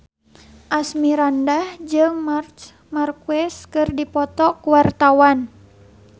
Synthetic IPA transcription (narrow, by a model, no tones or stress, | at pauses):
ʔasmiɾandahd͡ʒɨŋmart͡ʃ | markuɛskɨrdipɔt̪ɔkuwart̪awan